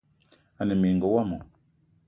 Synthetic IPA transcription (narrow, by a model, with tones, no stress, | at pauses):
a˨ne˨mi˨ŋ˨ɡo˨wa˦mo˨